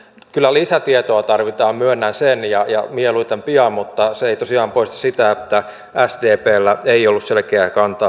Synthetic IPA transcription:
kylːˑælisæt̪iet̪oɑt̪ɑrʋit̪ɑːmmyønːænsenjɑjɑmieluit̪empiɑːmmut̪ːɑseeit̪osiɑːmpoist̪ɑ̥sit̪æet̪ːæ | æsdeːpeːlːæeiolːusselkeækɑnt̪ɑ

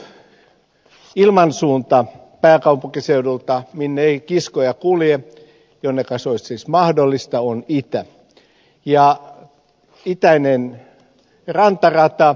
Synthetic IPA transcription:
ilmɑnsuːnt̪ɑ | pæːkɑupukiseudult̪ɑminːeikiskojɑkulje | jonːekɑsoissismɑhdolːist̪ɑonit̪æ | jɑ | it̪æinen | rɑnt̪ɑrɑt̪ɑ

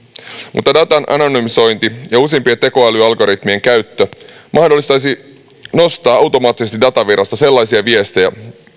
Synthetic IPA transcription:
mʔṵt̪ːɑdɑt̪ɑnʔɑ̰nonymiso̞jnt̪ijɑusempiet̪e̞ko̞ɑlyɑlɡo̞ɾit̪mie̞ŋkæɥt̪ːømʔɑhdolːist̪ɑjsi | no̞st̪ɑːɑwt̪o̞mɑːt̪ːˑisest̪idɑt̪ɑʋirɑst̪ɑselːɑjsiɑʋie̞st̪ejæ̰

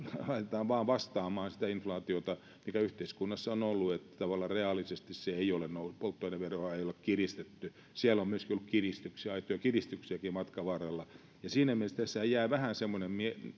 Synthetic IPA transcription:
lɑit̪et̪ɑːʋʋɑːʋʋɑst̪ɑːmɑːnsi̥t̪æinflɑːt̪iot̪ɑ | mikæyht̪eiskunːɑsːɑonolːuet̪ːæ̥t̪ɑʋɑlːˑɑreɑlːˑisest̪isseeiolennoupolt̪ːoineʋʋeroɑeiolekkirist̪et̪ːy | sielːomyøskiolːukkirist̪yksiɑit̪ojɑkirist̪yksiækimɑt̪kɑʋɑːrelːɑ | jɑsiːnæmielest̪esːæhæjjæːʋæhænsemːonemmie

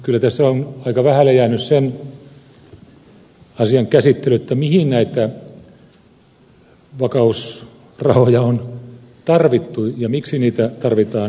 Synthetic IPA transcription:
kylːæt̪æsːæonɑikɑʋæhælæjæːnyssen | ɑsiɑŋkæsit̪ːelyet̪ːæmihinnæit̪æ | ʋɑkɑus | rɑhojɑon | t̪ɑrʋit̪ːujɑmiksiniːt̪æt̪ɑrʋit̪ɑːn

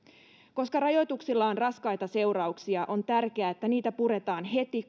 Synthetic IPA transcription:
ko̞skɑrɑjo̞jt̪uksilːɑonrɑskɑjt̪ɑse̞wɾɑuksiɑʔo̞nt̪ærkeæːet̪ːæniːt̪æpuɾe̞t̪ɑːnɦe̞t̪i

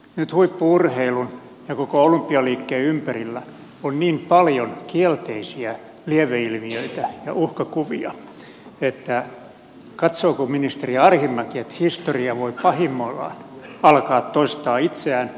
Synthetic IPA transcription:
nyt̪huipːuurheilun | jɑkokoolympːiɑliːkːeːympærilːæ | onniːmpɑljonkielt̪eisiæ | lieʋeilmiøit̪æjɑ̰uhkɑkuʋiɑ̰ | et̪ːæ | kɑt̪soːkominist̪eriɑrhimːɑkiet̪hist̪oriɑʋoipɑhimːolːɑ̰ɑlkɑːt̪toist̪ɑːit̪seæːn

